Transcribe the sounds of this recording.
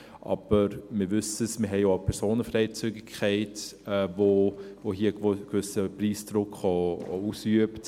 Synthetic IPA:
ʔɑ̰b̥əɾmɪɾʋʏsəsmɪɦɛɪopʰɛɾsoːnəfɾɛɪt͡syɡɪkʰχɛɪtɛvovohiːəɡ̥vʏsəpriːsd̥ɾʊkχɔɔ̰usyəpt

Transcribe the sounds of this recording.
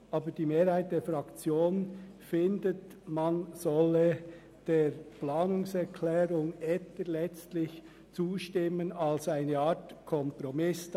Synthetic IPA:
ʔɑːbəd̥iːmeːɾhaɪt̚d̥eːfʁɑkt͡sjoːn | fɪndət | manzɔlə | d̥eːɾplaːnʊŋsɛɾkʰlɛːɾʊŋɛtəlɛt͡stlɪç | t͡suːʃtɪmənalsaɪnəɑːtkʰɔmpɾɔmɪs

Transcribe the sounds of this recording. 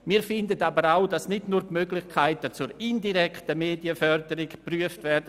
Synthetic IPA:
miːɾfɪndətabəɾaʊdasnɪdnuːɾtmøɡlɪçkʰaɪtət͡sʊɾɪndiɾɛktəmeːdiəfœrdəɾɪɡpryəftvɛrdə

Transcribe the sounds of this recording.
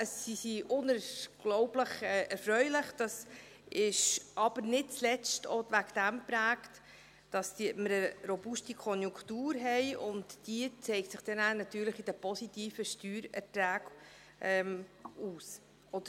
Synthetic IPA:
əsːisiʔʊnəɡ̥lɔʊbləχɛːʔɛɾfɾœʏlɪχd̥ɑs | ʔɪʃʔɑb̥əɾnɪt̚t͡slɛt͡stovæɡd̪̥æmpɾæːkt | d̥ɑsd̥iməɾəɾɔbʊʃtikʰɔnjʊŋktuːɾɦɛɪʊntd̥iət͡sɛɪktsɪχd̥̪ɛnæːnɑt̪yːɾləχid̥əpɔsit̪iːfəʃtyːɾɛ̰ɾtɾæːɡ | ʔɛmuːs | ʔɔd̥̪ə

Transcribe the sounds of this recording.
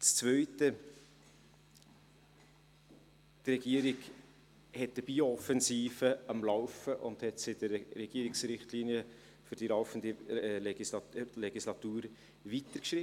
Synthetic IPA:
t͡st͡svœʏtə | trɛɡ̥iəɾɪɡ | hɛt̚d̥əb̥iːoɔfɛnsiːfəɑmlɑʊfəʔʊ̰nd̥hɛtsɪdəɾrɛɡ̥iːəɾɪksɾɪχtlinjə | fʏɾd̥ilɑʊfəndəisɑlɛɡislɑtuːɾ | vitəɾkʃrɪ

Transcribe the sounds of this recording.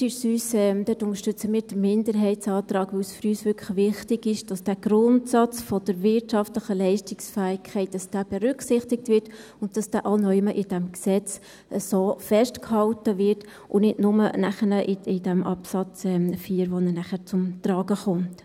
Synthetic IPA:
tysyːsɛmd̥̪øtʊnəʃtʏt͡səmiːɾd̥əmɪndəɾɦɛɪtsɑːt̪ɾɑːkʋɵwsfyɾyːsvʏkʰəxʋɪχtɪɡɪʃd̥ɑsd̥æːɡ̥ɾʊntsɑt͡sfɔd̥əɾvɪɾtʃɑftləχəlɛɪʃtɪksfæːɪkʰχɛɪt̚d̥ɑsd̥æːb̥ɛɾʏksɪχtɪk̚tvɪt | ʊnt̚d̥ɑsd̥æːʔɑnɔʏməʔɪd̥ɛmksɛt͡s | əsoːfɛʃtkhɑltəvɪɾt | ʔʊnɪdnʊmənæχənəʔɪɪd̥ɛmʔɑpsɑt͡sɛfiːɾʋonənæχəɾt͡sʊmt̪ɾɑːɡəχʊmt

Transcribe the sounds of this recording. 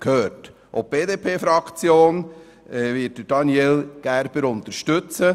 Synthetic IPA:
khøːɾt | ʔo̰ːp̚b̥eːdeːpʰeːfɾɑkt͡sjoːn | ɛvɪːt̚d̥əd̥ɑnjɛlɡ̥æɾb̥əɾʊnt̪əɾʃtɵt͡sə

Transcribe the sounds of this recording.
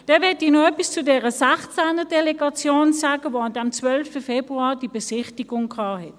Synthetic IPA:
d̥ɛnvɛɐtinoœpist͡sudɛːʁəsɛχt͡sænədɛleɡɑt͡sjoːnsaːɡəvoandɛmt͡svœlftəfɛbʁuaːd̥ibesɪχtiɡʊŋkʰɑːhɛt

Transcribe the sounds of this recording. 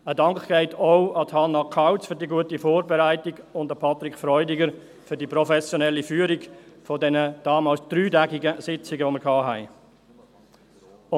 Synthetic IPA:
ədɑŋkɡ̥ɛɪtʰoʊɑtʰhɑnːɑkʰaʊt͡sfʏɾdiəɡuətifoːɾbɛɾæɪtɪɡʊndɑpʰɑtɾɪkfɾɔʏdɪɡəɾ | fʏɾdipɾɔfɛsjɔnɛlifyːəɾɪɡfɔdɛnəd̥ɑːmɑːlsd̥ɾyːdæɡɪɡəsɪt͡sɪɡəʋoməɾkʰɑːɦæɪ

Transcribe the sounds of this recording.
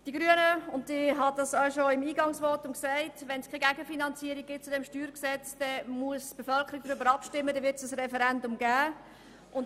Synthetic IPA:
d̥iɡɾyənəʊntiɦɑd̥ɑsœʊʃoɪmiːɡɑŋsʋɔtʊmksæɪtʋɛnskʰeɡæɡəfinɑnt͡siːəɾiɡ̚ɡ̥ɪt̚t͡sʊdɛmʃtyːɾksɛt͡sd̥ɛmuəsb̥efœlkʰəɾiɡ̚dɾʏbəɾɑpʃtɪmːədɛʋɪtsəsrɛfɛɾɛndʊmɡæː | ʔʊn

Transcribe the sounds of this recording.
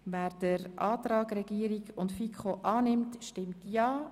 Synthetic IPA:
væːɾd̥əɾʔɑːtɾɑːɡrɛɡiːəɾiɡʊntfikχoʔɑːnɪmtʃtɪmtjɑː

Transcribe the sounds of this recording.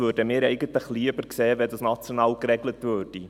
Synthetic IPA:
øːrdəmɪːɾɛɪɡətləχliəbərkseːəvɛdɑsnɑt͡sjonɑːlkrɛɡlətvøːrd̥i

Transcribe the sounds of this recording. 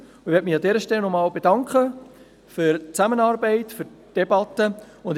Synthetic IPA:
ɪʋɛɾt̚mɪxɑdɛːɾəʃtɛlnɔmɑːlbedɑŋkχə | fyɾt͡sæmənɑːɾbɛɪtfyɾ | d̥ebɑtːə | ʊnd

